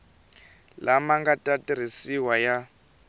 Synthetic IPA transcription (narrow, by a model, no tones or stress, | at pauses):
lʔamaŋɡatʼatʼiɾ̤isiwaja